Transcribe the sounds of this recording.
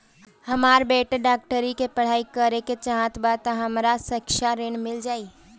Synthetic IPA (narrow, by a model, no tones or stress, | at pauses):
hɐmaːɾbeːʈeɖaːk̚ʈəɾikepɐɽ̤aːikəɾeket͡ʃɐɦãt̪baːt̪ãɦɐmɾasɐkʃaɾeːnmɪld͡ʒaːiː